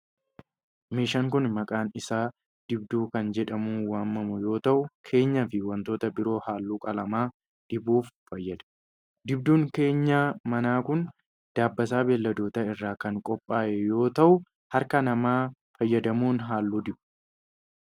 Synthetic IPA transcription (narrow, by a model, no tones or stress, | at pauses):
meːʃaŋkʊnmɐkʼaːnɪsaː | d̪̥ɪb̚d̪uːkɐnd͡ʒɛᶑɐmuːwaːmːɐmʊjo̞ːt̪ɐʔʊkʰe̞ːɲːɐfɪwɐnt̪o̞ːt̪ɐbɪɾo̞ːhaːlːuːkʼɐlɐmaː | d̪̥ɪbuːfːɐjːɐd̪ɐ̥ | d̪ɪb̚d̪uːŋke̞ːɲːaːmɐnaːkʊn | d̪̥aːbːɐs̬aːbelːɐd̪o̞ːt̪ɐɪrːaːkɐŋkʼɔpʼːaːʔɛjo̞ːt̪ɐʔʊ | hɐɾkɐnɐmaː | fɐjːɐd̪ɐmuːnɦaːlːuːd̪ɪbʊ